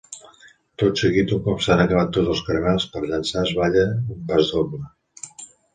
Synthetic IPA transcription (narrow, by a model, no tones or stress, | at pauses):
t̪ot̪səɣit̪uŋkɔpsanəkəβat̪ːod͡zəlˠskəɾəβɛlˠspəɾʎənsaəzβaʎəumpazðoblə